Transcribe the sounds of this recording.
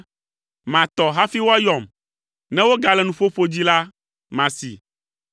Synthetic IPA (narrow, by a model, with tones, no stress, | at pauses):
mã˨t̪ɔ˨ɦa˦fi˦wo˦a˦jɔ˨m | nɛ̃˦wo˦ɡa˨lɛ˨nũ˨ɸo˦ɸo˦d͡ʑi˦la˦ | mã˨sḭ˨